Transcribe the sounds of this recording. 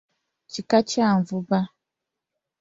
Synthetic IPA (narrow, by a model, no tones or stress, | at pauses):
t͡ʃikat͡ʃaɱ̩vuba